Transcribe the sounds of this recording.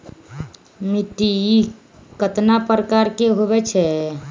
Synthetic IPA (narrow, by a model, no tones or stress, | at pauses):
miʈi | kət̪napɾəkaɾkeɦoβɛt͡ʃʰɛ